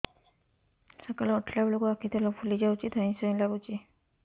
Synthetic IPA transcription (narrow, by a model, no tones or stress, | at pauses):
sakalɔɔʈʰlablɔkɔakʰit̪ʰelɔpʰulid͡ʒawt͡ʃid̪ʱansɔilaɡut͡ʃʰi